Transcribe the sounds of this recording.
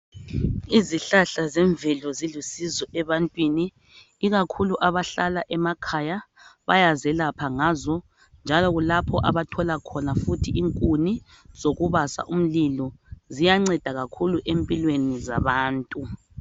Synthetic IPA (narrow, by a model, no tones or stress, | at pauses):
iziɬaɬazɛɱvʱɛlɔzilusizɔʔɛβantʼwiniː | ɣakʰuluʔaβaɬalaʔɛmakʰaja | βa̰jazɛlapʰaŋaːzɔ | nd͡ʒʱalɔɣulapʰɔʔa̰βatʰɔlakʰɔnafutʰiiŋkʼuni | z̥oɣuβasa̰ʔum̩lilɔzijaŋ͡ǀɛd̥ʱaɣakʰuluʔempʼilweniza̰βaːntʼu